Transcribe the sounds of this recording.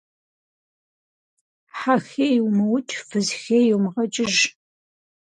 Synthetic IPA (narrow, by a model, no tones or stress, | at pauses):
ħaxeːjwmɐwtʰʼfɨzxeːjwmʁɐt͡ʃʼɪʒ